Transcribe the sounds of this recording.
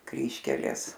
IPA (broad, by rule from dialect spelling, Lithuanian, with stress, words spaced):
ˈkrʲiːʃʲkʲɛlʲeːs